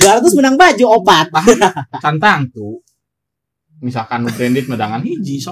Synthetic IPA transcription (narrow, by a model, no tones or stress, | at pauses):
ɡart̪ʊs̬mənaŋbad͡ʒuopat̪̚akant̪aŋt̪u | misalkanubɾɛndɪt̪̚mədaŋanɦid͡ʒiso